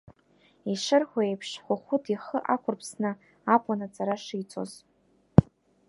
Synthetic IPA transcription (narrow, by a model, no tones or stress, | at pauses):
iʂɨrħʷaejpʰʂħʷʊχʷʊtʰiχəʔakʷʰʊrpʰsnɨ | apʼanat͡sʼaɾaʂijt͡sʰʼo̞̰z